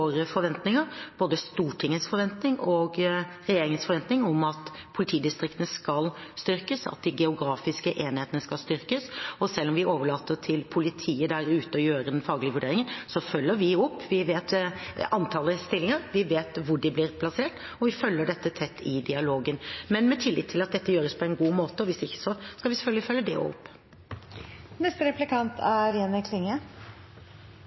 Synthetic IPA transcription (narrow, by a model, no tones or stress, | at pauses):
oːɾəfɔɾʋɛnt̪nɪŋəɾb̥oːd̪əst̪uːʈʰɪŋːəsfɔɾʋɛnt̪nɪŋɔɡɾɛjeːɾɪŋənsfɔɾʋɛnt̪nɪŋɔmɑt̪pʰʊlɪt̪ʰiːd̪ɪst̪ɾɪkt̪ənəskɑlst̪ʏɾkəsɑ̰t̪̚d̪ɪɡɛʊɡɾɑːfɪskəʔeːnɪheːt̪ənəskɑlst̪ʏɾkəsɔsɛlːɔmʋɪoːʋəɭɑːt̪ːət̪ʰɪlpʰʊlɪt̪ʰiːəd̪æɾʉːt̪əɔjøːɾəd̪ɛnfɑːɡlɪəʋʉɖeːɾɪŋənsɔfœlːəɾʋɪɔpːʋɪʋeːt̪ɑnt̪ʰɑːləst̪ɪlːɪŋəɾʋɪʋeːt̪ʋʊɖɪblɪːɾpʰlɑseːʈ | ɔʋɪfœlːəɖɛt̪ːət̪ʰɛt̪ʰːɪd̪ɪɑloːɡənmɛnmɛt̪ʰɪlːɪt̪t̪ʰːɪlɑt̪̚d̪ɛt̪ːəjøːɾəspʰɔɛnɡuːmoːt̪əɔʋɪsɪçːə̥sɔskɑʋɪsɛ̥fœlɡlɪfœlːəd̪ɛ̰ɔ̰pː | nɛst̪əɾɛplɪkʰɑnt̪ʰæɾjɛnəkʰlɪŋə